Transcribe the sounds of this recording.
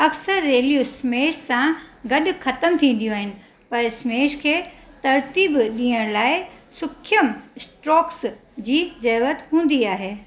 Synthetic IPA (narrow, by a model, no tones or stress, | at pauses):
ɐksəɾːeːlijuɪsmeːʈsãɡɐɗʊ̆xɐt̪əmt̪ʰĩːn̆d̪ijũaːɦɪnɪ̆ | pɐɾɪsmeːʃkʰeːt̪ɐɾt̪iːbɗĩːəɽ̃laːɪsʊkʰjəmɪsʈɾɔːksd͡ʑiːd͡ʑɐːʋət̪ɦũːn̆d̪iaːɦeː